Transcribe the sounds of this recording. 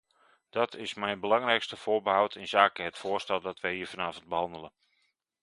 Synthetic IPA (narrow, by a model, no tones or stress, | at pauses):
d̥ɑtʰɪsmɛjnbəlɑŋrɛjkstəfʊːɹbəɦawtʰɪnzaːkəɦətfʊːrstɛlˠdɔtʋəjhiːəɹfanaːvənt̚bəhɑndələn